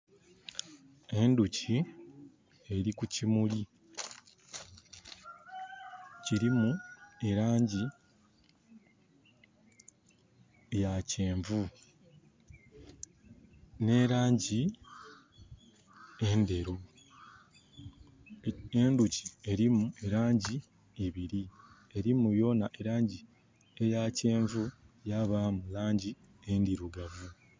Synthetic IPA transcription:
e̞nducʰi | e̞ɾikucimuli | ciɾimue̞ɾaːɲɟi | jaceːɱvu | ne̞ɾaːɲɟi | ende̞ɾu | enduci̥e̞ɾimue̞ɾaːɲɟi | eβiɾi | e̞ɾimujo̞ːnaʔe̞ɾaːɲɟi | ejace̞ːɱvujaβamulaːɲɟi | endiɾuɡavu

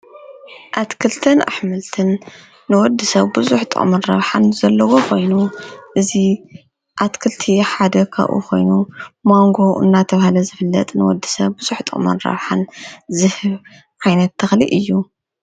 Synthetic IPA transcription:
ʔat̪kʰɨlt̪ʰɐnʔa̰ħmɨlt̪ʰɨnː | ɨwɔd̪ːɨsɐβbɨzuħt̪ʼɨ̰χʼmɐnɾɐ̰βħanz̥ɐlːɐwokʰo̞jnuʔɨzi | ʔat̪kʰɨlt̪ʰiħad̪ɐkʰa̰βʔṵkʰo̞̰jnumoŋɡo̞ɨ̰nːat̪ʰɐβahalɐzɨfɨlːɐ̰t̪ʼnɨwɔ̰d̪ːɨsɐβbɨz̥uħt̪ʼɨ̰χʼmɐ̰nɾɐ̰βħanzɨhɨβ | ʕajnɐt̪ʰːɐxliʔɨjːu

